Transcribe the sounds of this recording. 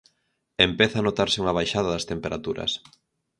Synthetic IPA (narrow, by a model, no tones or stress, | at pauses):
empeθaːnot̪aɾsɪuŋɐβ̞ajʃaðɐðɐst̪empeɾat̪uɾɐ̰s